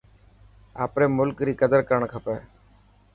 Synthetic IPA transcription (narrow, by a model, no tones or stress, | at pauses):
a̰ːpɾeːmʊlkɾiːkəd̪əɾkəɾəɳkʰəpɛː